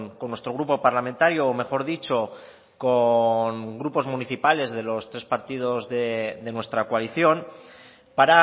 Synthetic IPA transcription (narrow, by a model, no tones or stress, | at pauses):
konːwe̞st̪ɾo̞ɣ̞ɾupo̞paɾlamẽ̞nt̪aɾjoːme̞xo̞ɾðit͡ʃo̞ | koŋɡɾupo̞zmuniθipale̞zðe̞lo̞st̪ɾe̞spaɾt̪ið̞o̞zðe̞de̞nwe̞st̪ɾakoaliθjo̞n | paɾa